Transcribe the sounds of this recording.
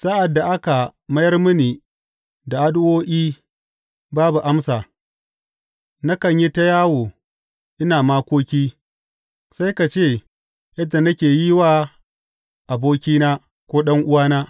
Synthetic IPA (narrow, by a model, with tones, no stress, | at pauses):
sa˦ʔa˨dːa˨ʔa˦ka˨mɐ˦jɐ˦rmʊ˦niː˨ | da˨ʔa˦dʊ˦woː˦ʔʲiː˦ | baː˦bu˨ʔa˦msaː˨ | na˦kɐ˨ɲji˦ta˦jaː˦woː˨ | ʔɪ˦naː˨maː˦kʷoː˦kʲiː˦ | sa˦jka˨t͡ʃeː˦˨ | jɐ˦da˨nɐ˦kʲeː˨ji˦waː˦ | ʔa˨boː˦kʲiː˦naː˦ | kʷoː˦ɗɐ˦ŋʔʊ˦waː˦naː˦